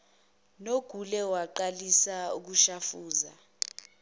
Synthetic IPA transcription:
noɡ̥ʱulɛwaǃalisauk̬uʃafuːza̰

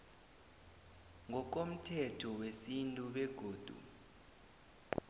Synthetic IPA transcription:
ŋɔk̬om̩tʰɛtʰɔwesintʼuɓɛɡ̥ʱoːd̥ʱṵ

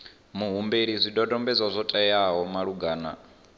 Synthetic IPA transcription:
muɦumbeɺizʷidɔdɔmbɛd͡zazʷɔtʼɛjaɦɔmaɺuɡaːna̰

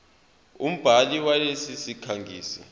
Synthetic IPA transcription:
um̩b̥ʱaliwalesisikʰaŋɡʱiːsḭ

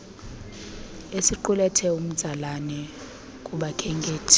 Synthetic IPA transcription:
esiǃulɛtʰɛum̩d̥z̥ʱalanɛ | kʼuɓakʰɛŋɡʱʼeːtʰ

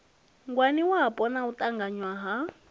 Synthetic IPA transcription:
ŋɡwaniwaapʼɔnautʼaŋɡaɲwaɦa

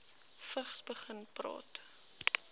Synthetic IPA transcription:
fəχsbəχənprɑ̰ːt

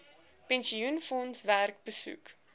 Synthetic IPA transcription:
pɛnsiunfɔnsværk̚bəsṵk

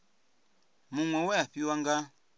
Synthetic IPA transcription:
mũŋwɛwɛaɸiwaŋɡa

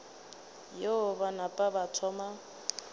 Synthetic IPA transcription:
joʊbanapʼabat͡sʰɔma

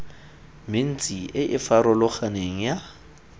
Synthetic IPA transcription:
mɪn̩t͡sʼiʔɪʔɪfaɾɔlʊχaneŋ̩ja

